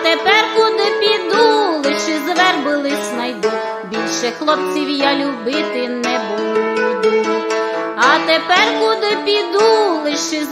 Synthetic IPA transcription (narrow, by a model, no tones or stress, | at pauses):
t̪ɛpɛrkud̪ɪpʲid̪ulˠɪʃɪzʋɛrbʊlˠɪsʲnɐjd̪u | bʲilʲʃɛxlˠɔp̚t͡sʲiwjalʲʊbɪt̪ɪnɛbulʊlʲʊd̪ɪmiɐt̪ɛpɛrkud̪ɪpʲid̪ulˠɪʃɪ